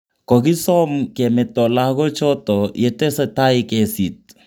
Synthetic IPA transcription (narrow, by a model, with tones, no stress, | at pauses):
kɔ˨kɪ˦sɔ˦mkɛ˨mɛ˨tɔ˨lakɔ˦t͡ʃɔ˦tɔ˨jɛ˨tɛ˦sa˦ta˦ɪkɛsi˨t̚